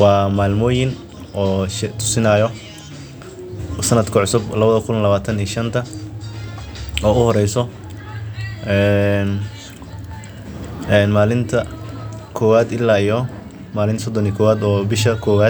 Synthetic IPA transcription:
wɑːmaːlmɔːjɪn | ɔːt̪ʰʊ̥sɪnaːjɔ | sɐnɐd̪kʰɐʕʊsʊblɐβɐðɐkʰʊllɐβaːt̪ʰɐniːʃɐnt̪ʰɐ | ɔːʊhɔɾɛjsɔ | ʔɛːn | ɛːnmaːlɪnt̪ʰɐkʰɔːwaːd̪ɪlːaːijɔ | maːlɪnsɔd̪ɔniːkʰɔːwaːd̪ɔːbɪʃɐkʰɔːwaː

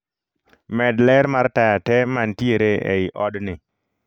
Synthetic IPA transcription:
mɛdlɛɾmartajatɛmantjeɾeʔḛɪʔɔdnɪ

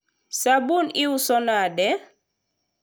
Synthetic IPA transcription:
sabuniusɔnadɛ

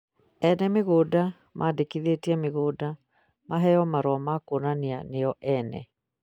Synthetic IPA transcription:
ɛnɛmeɣoːda | mʔadekiðetiɛmeɣoːda | maɦɛjɔmaɾwɔmakonanianeɔʔɛnɛ̰

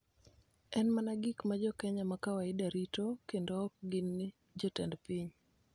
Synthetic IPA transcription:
ɛnmanaɡikmad͡ʒɔkɛɲamakawaɪdaɾitokendɔːk̚ɡinːɪ | d͡ʒɔtɛndpiɲ

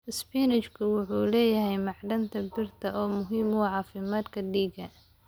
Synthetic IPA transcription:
ɪspiːnɪt͡ʃkʰʊwʊħuːlɛːjɐɦɛjmɑʕɖɐnt̪ʰɐbɪrt̪ʰɐʔɔːmʊɦiːmʊʕɑːfɪmaːd̪kʰɐɖiːɡɐ

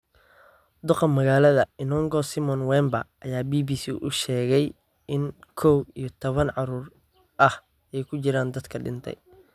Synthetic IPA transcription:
d̪ʊqɐmɐɣaːlɐðɐɪnɔːŋɡɔsɪmɔnwɛːmbɐ̰ʔɐjaːbiːbiːsḭːʔʊ̰ʃɛːɣɛj | ɪnkʰɔwijɞt̪ʰɔβɐnʕɑɾuːr | ʔɐh | ɛjkʰʊt͡ʃɪɾaːnd̪ɐd̪kʰɐɖɪ̰nt̪ʰɛ̰j

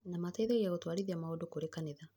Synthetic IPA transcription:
namataiðaɣiaɣotwaɾiðiamaodokoɾekaneða

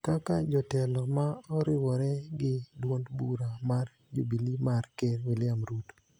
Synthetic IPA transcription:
kakad͡ʒɔtɛlɔmaɔɾɪwɔɾɛɡɪdwondbuɾamar | d͡ʒobilimarkɛɾwɪlɪamɾut

